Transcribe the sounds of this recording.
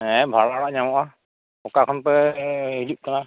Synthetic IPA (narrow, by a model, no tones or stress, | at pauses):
ɛbʱaɽaɽaʔɲamɔʔa | ɔkakʰɔnpɛɦid͡ʒup̚kana